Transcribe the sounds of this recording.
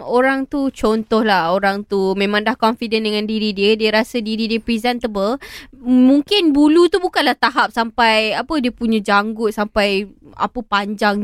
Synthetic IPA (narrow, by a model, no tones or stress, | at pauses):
oɾaŋt̪ut͡ʃɔnt̪ɔhlahoɾaŋt̪umẽmãŋdahkɔnfidəndəŋãndiɾidiədiəɾasədiɾidiəpɾizɛnt̪əbəl | mũŋkɪnbulut̪ubukanlaht̪aɦap̚sampajapədiəpuɲãd͡ʒaŋɡʊt̪̚sampaja̰pəpaɲd͡ʒaŋ